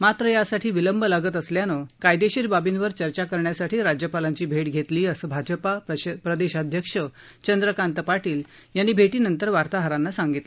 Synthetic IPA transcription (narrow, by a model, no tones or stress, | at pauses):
mat̪ɾəjasaʈʰiːʋiləmbəlaɡət̪əsljanəkajd̪eɕiɾbabinʋəɾt͡ɕəɾt͡ɕakəɾɳjasaʈʰiːɾad͡ʑjəpalaɲt͡ɕiːbʱeʈɡʱet̪liːəsəbʱad͡ʑəpapɾəd̪eɕad̪ʱjəkʂə | t͡ɕənd̪ɾəkant̪əpaʈiːl | janːiːbʱeʈiːnənt̪əɾʋaɾt̪aɦəɾanːasãŋɡit̪l